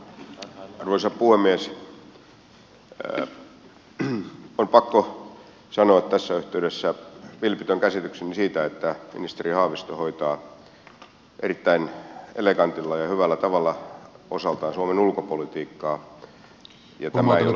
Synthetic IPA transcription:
ruoisɑppuhemːies | ompɑkːo | sɑnoɑt̪t̪æsːæyht̪eydesːæʋilpit̪øŋkæsit̪yksenisiːt̪æet̪ːæmḭnist̪erihɑːʋist̪ohoit̪ɑː | ʔḛrit̪ːæinelekɑnt̪ilːɑjɑhyʋælːæt̪ɑʋɑlːɑo̰sɑlt̪ɑːnsuomenulkopolit̪iːkːɑː | jɑt̪æmæejjo

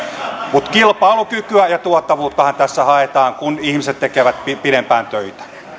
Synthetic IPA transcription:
mut̪kilpɑːlukykyæjɑt̪uɔt̪ːɑʋuːt̪ːɑhɑnt̪æsːæhɑet̪ɑːŋkunihmiset̪t̪ekeʋæt̪pipiɾempæːnt̪øit̪æ̥

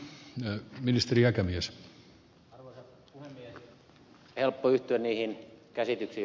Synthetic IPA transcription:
minist̪eriækæmiæs | s | helpːoyht̪yænniːhinkæsit̪yksiː

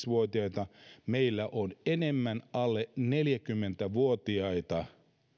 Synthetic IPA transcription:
sʋuot̪iɑjt̪ɑmeilːæʔonenemːænɑlːeneljækymːent̪æʋuot̪iɑit̪ɑ

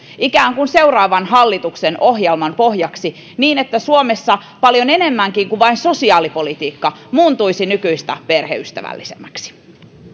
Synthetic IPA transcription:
ikæːŋkunse̞urɑːʋɑnɦɑlːit̪ukseno̞ɦjelmɑnpo̞hjɑksi | niːnet̪ːæsuomesːɑpɑljo̞nene̞mːæŋkiŋkuʋɑinso̞siɑːlipo̞lit̪iːkːɑmuːnt̪uisinykyist̪æ̰perhḛyst̪æ̰ʋæ̰lːisemːæksi̥

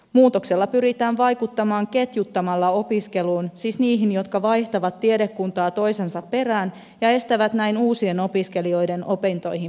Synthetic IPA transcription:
muːt̪o̞kse̞lːɑpyɾit̪æːnʋɑjkut̪ːɑmɑːŋke̞t̪jut̪ːɑmɑlːɑo̞piske̞luːnsiːsniːɦinjo̞t̪kɑʋɑjht̪ɑʋɑt̪ːiede̞kːunt̪ɑːt̪o̞jsensɑpːe̞ræːn | jɑe̞st̪æʋæt̪næjnuːsieno̞piske̞lio̞jde̞nʔo̞pent̪o̞jhi

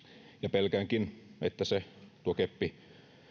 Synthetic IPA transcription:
jɑpelkæːŋkinḛt̪ːæset̪uokepːi

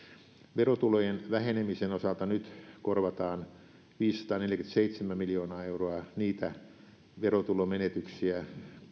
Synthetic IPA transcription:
ʋerot̪ulojenʋæhenemisenosɑlt̪ɑnyt̪korʋɑt̪ɑːn | ʋiːsːɑ̥t̪ɑːneljækynt̪seit̪semæmiljoːnɑːeuroɑniːt̪æ | ʋerot̪ulomenet̪yksiæ

